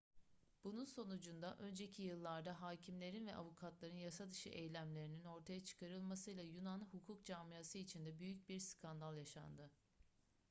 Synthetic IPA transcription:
b̥ununso̞nud͡ʒund̪aʔø̞nd͡ʒe̞cʰijɯlˠːaɾd̪aɦaːcʰimlʲe̞ɾinvɛʔavukʰat̪lˠaɾɯnjasad̪ɯʃɯ̰ʔejlʲæmlʲe̞ɾinino̞ɾt̪ʰajat͡ʃʰɯ̥kʰaɾɯlˠmasɯjlˠajunanhukʰuk̚d͡ʒaːmijasɯit͡ʃʰind̪ɛbyjyc̚biɾskʰand̪alˠjaʃa̰nd̪ɯ

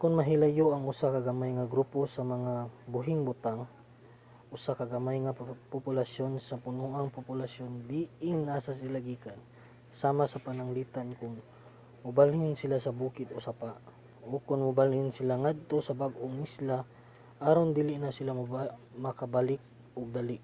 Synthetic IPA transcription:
kʊnmɐɦɪlajoʔɐŋʊsakɐɡɐmajŋɐɡɾuːposɐmɐŋabʊɦɪŋbʊt̪aŋ | ʔʊsakɐɡɐmajŋɐpʊpʊlasjo̞nsɐpʊnuʔaŋpʊpʊlasjond̪iʔɪŋːaːsasɪlaɡiːkan | saːmasɐpɐnɐŋliːt̪ankʊŋ | mʊbalhɪnsɪlasɐbuːkɪt̪osapaʔ | ʔokʊŋmʊbalhɪnsɪlaŋad̪̚t̪osɐbaɡʔoŋɪsla | ʔaːɾond̪ilɪʔnɐsɪlammɐkɐbalɪk̚ | ʔʊɡ̚d̪alɪʔ

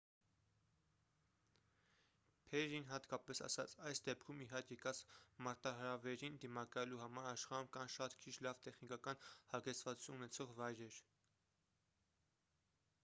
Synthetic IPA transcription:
pʰɛɾinɦɑt̪kɑpɛsɑ̰sɑ̰t͡sʰɑjsd̪ɛp̚kʰumiɦɑɾkjɛkɑt͡smɑɾt̪ɑɦəɾɑvɛɾind̪imɑkɑjɛluɦɑmɑɾɑʃχɑɾumkɑnʃɑt̪kʰit͡ʃʰlɑvt̪ɛχnikɑkɑnhɑɡɛt͡sʰvɑt͡su̥t͡sʰununɛt͡sʰɔʁvɑjɾɛɾ

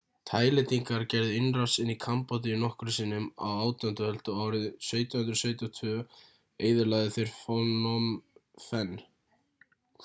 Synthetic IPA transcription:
t̪ʰaːjlɪt̪iŋkaɾcɛɾðɪɪnrḁsɪnːikʰampɔt̪̬ɪnɔhkʏɾʏsiːnʏma̰waːwt̪ant̪ʏhɛl̥t̪ʏaːwɾɪðsœɥt̪ʏhʏnt̪ɾʏsœːɥt̪ɪɔt̪ʰʏ | eːjðɪlajðɪθejɾ̥fɔnɔmfɛn

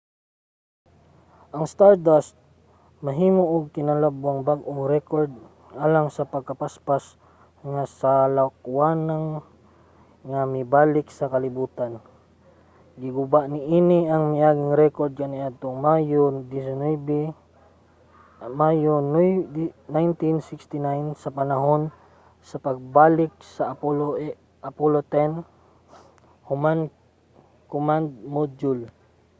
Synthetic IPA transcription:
ʔɐŋst̪aɹd̪ast̪̚ | mɐɦiːmoʔʊɡ̚kɪnalabwaŋbaɡʔoŋɾɛkoɹd̪̚ | ʔaːlaŋsɐpɐɡ̚kɐpaspas | ŋasalakuwanaŋ | ŋamɪbaːlɪksɐkalɪbuːt̪an | ɡɪɡʊbaʔnɪʔiːnɪɐŋmɪaːɡɪŋɾɛkoɾd̪̚kaniʔad̪̚t̪oŋmajod̪isonɛb | majon | najnt̪insɪkst̪ɪnajnsɐpanaɦon | sɐpaɡ̚baːlɪk̚sa | apolot̪ɛn | hʊman | kʊmand̪̚mod͡ʒʊl

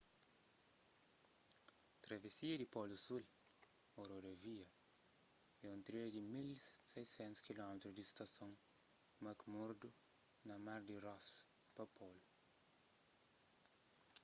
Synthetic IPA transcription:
t̪ɾɐvesiɐd̪ipɔlusul | oɾoɾɐviɐ | ɛũnt̪ɾed̪imilsejsɛ̃nt̪u̥skilɔmet̪ɾuzd̪ist̪ɐsõŋmɐkmuɾd̪unɐmaɾd̪irɔspɐpʰɔlu

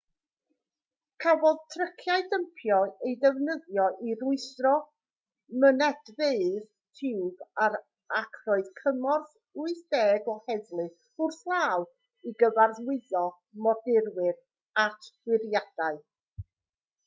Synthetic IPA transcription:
kʰavɔðtʰrəkʰjaɨdəmpʰjɔejdɛvnəðjɔʔiɾʊɨθrɔ | mənɛdveɨð | tʰɪwbaɾ | akʰrɔɨðkʰəmɔrθ | uɨθd̥ɛːɡɔhɛðlˠɨ | ʊrθlˠaːw | iɡəvarðwɪðɔ | mɔdɪrwɪð | atʰwɪrjad̥aɨ

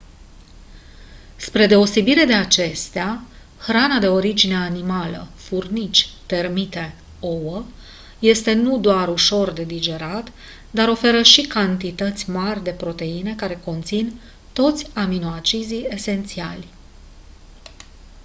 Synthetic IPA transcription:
spɾe̞d̪e̞o̞se̞biɾe̞d̪e̞at͡ʃe̞st̪ea | xɾanad̪e̞o̞ɾid͡ʒine̞animalə̰furnit͡ʃʲt̪e̞rmit̪e̞ | o̞wə | je̞st̪e̞nud̪oaɾuʃo̞rd̪e̞d̪id͡ʒe̞ɾat̪ | d̪aɾo̞fe̞ɾəʃikant̪it̪ət̪sʲmarʲd̪e̞pɾo̞t̪e̞ine̞kaɾe̞ko̞nt̪sin | t̪o̞t̪sʲaminoat͡ʃizie̞se̞nt̪sialʲ

